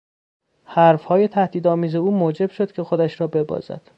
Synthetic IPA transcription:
hæɾfhɒːje̞t̪ʰæhd̪iːd̪ɒːmiːze̞uːmoːd͡ʒe̞b̥ʃo̞d̪cʲʰe̞xod̪æʃɾɒːbe̞bɒ̰ːzæ̰d̪̥

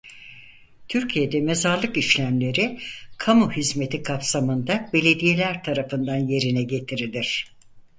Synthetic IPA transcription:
t̪ʰyɾcʰije̞d̪ɛme̞zaɾlˠɯkiʃlʲæmlʲe̞ɾɪkʰamuhizme̞t̪ʰikʰapsamɯnd̪abe̞lʲe̞d̪ije̞lʲæɾt̪ʰaɾafɯnd̪anje̞ɾinɛɟe̞t̪ʰiɾilʲiɾ̥

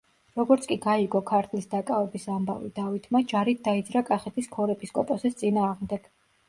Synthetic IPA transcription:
ɾɔɡɔɾt̪sʰkʼiɡaiɡɔkʰaɾt̪ʰlisd̪akʼavɛbisamba̰vḭd̪avit̪ʰmad͡ʒaɾit̪̚ʰd̪aid̪zɾakʼaχɛt̪ʰiskʰɔɾɛpʰʼiskʼɔpʼɔsɛst̪sʼinaːʁmd̪ɛɡ̥

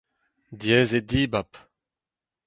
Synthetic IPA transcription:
djɛːzed̪iːbap

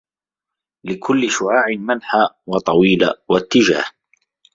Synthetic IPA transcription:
lɪkʰʊlːɪʃʊʕaːʕɪmanħa | wɑt̪ˤɑwiːla̰wat̪ːɪd͡ʒa̰ːh

